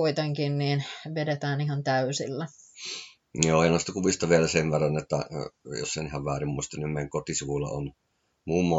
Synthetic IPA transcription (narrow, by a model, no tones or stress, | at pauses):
oit̪eŋkinniːnʋedet̪æːnihɑnt̪æysilːæ | joːeˑnost̪ɑkuʋist̪ɑʋielæseʋʋerːɑnot̪ːæ̰jo̰sːˑenihɑʋʋæːrimmuist̪ɑnimmeˑŋkot̪isuʋulːɑ̰on | muːmːɑ